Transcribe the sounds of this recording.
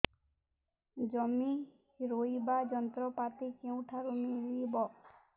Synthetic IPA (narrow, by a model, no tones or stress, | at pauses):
d͡ʒɔmi | ɾojbad͡ʒɔnt̪ɾɔpat̪ikeũʈʰaɾumilibɔ